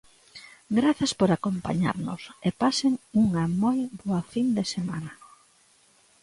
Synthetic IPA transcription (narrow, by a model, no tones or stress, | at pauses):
ɡɾaθɐspoɾakompa̰ɲa̰ɾnʊ̰sepaseŋuŋɐmojboɐfind̪esemanɐ